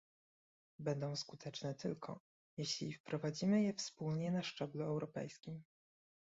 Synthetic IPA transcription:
bɛnd̪ɔ̃w̃skut̪ʰɛt͡ʂnɛt̪ɘlkʰɔ̰ | jeɕlʲḭfpɾɔvad͡ʑimɘjɛfspulɲɛnaʂt͡ʂɛbluɛwɾɔpɛ̰jskʲim

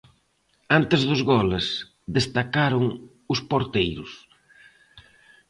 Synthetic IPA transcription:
ant̪ɪzðʊzɣɔles | ðest̪akaɾʊŋ | ʊspoɾt̪ejɾʊs

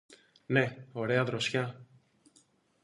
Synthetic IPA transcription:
neo̞ɾeɐðɾosçɐ

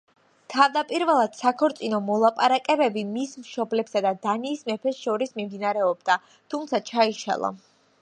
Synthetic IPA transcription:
t̪ʰavd̪apʼiɾvɛlˠad̪̥sakʰɔɾt̪sʼinɔmɔlˠapʼaɾakʼɛbɛbimismʃɔblɛpsad̪ad̪aniːsmɛpʰɛsʃɔɾismimd̪inaɾɛɔb̚d̪a | t̪ʰumt̪sʰat͡ʃʰaiʃa̰lˠa̰

